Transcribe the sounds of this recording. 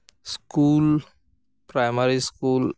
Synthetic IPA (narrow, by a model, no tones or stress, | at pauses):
skul | pɾajmaɾiskuːl